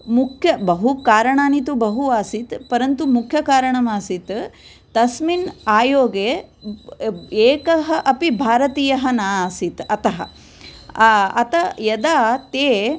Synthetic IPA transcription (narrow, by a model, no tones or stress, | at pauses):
mukʰjɐbɐɦukaːɾɐɳaːnit̪̬ubɐɦuaːsit̪pɐɾɐnt̪umukʰjɐkaːɾɐɳɐmaːsit̪ | t̪ɐsminaːjoːɡeː | eːkɐɦɐʔɐpibʱaːɾɐt̪iːjɐɦɐnaːsit̪ɐt̪ɐɦɐ̰ | ɐt̪ɐjɐd̪aːt̪eː